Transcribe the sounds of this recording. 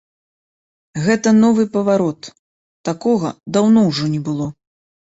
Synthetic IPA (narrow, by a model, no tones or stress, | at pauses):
ɣɛt̪ɐnɔvɨpɐvaɾɔt̪ː | akɔɣɐ̰d̪awnɔwʐɔnʲɛbɨlˠɔ